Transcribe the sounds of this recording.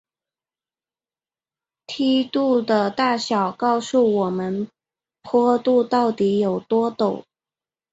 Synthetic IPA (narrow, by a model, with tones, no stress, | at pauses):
t̪ʰi˥t̪u˥˩d̪ə˨t̪a˥˩ɕjɑ˨˩ʊkɑ˥˧ʊsu˥˩wɔ˨˩mə˦n | pʰɔ˥t̪u˥˧t̪ɑ˥˩ʊt̪i˧˥jo˨˩ʊt̪wɔ˥t̪o˨˩˦